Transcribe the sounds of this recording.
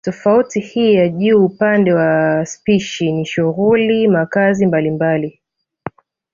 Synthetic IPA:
tɔfautihiːjaʄuːupandɛwaspiʃiniʃuɣulimakazimbalimbali

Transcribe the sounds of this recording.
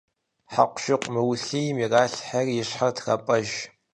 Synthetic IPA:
ħaqʷʊ̥ʃɪqʷʼmɨwɬijmiːraːɬħarjɪɕħatʰxɐ̰pʼɐʒ

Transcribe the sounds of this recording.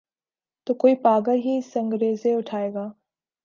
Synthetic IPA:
t̪oːkoːipaːɡəlɦisə̃ŋɡɾeːzeʊʈʰaːeːɡaː

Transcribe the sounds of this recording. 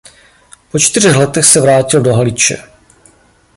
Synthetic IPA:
po̞t͡ʃt̪ɪr̝ɛxlɛt̪ɛxsɛvɾaːcɪldo̞ɦalɪt͡ʃɛ̰

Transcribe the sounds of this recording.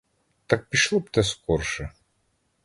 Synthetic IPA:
t̪ɐk̚pʲiʃlˠɔpt̪ɛskɔrʃɛ

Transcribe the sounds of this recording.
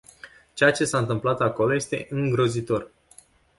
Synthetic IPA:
t͡ʃejat͡ʃe̞saɨnt̪ɨmplat̪ako̞lo̞je̞st̪e̞̰ʔɨŋɡɾo̞zit̪o̞r

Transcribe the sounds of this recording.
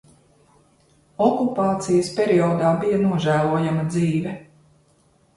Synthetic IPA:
ɔkupaːt̪sijəspʲeɾiɔːd̪aːbijɐnuɔʒæːlˠuɔjamɐd̪ziːvɛ

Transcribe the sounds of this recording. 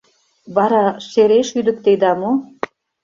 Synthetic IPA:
βɑɾɑʃeɾeʃyd̪ə̆k̚t̪ed̪ɑmo

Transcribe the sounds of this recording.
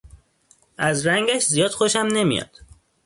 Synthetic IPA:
ʔæzɾæŋɡæʃzijɒːd̪̥xoʃæmne̞mḭjɒ̰ːd̪̥

